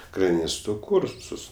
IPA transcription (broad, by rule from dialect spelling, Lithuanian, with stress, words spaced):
krɐˈnʲɪstoː ˈkʊrsʊs